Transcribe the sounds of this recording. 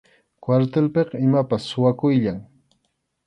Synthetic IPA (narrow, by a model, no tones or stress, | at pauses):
kwaɾt̪elpeqɑɪmapasːʊwakʊjʎaŋ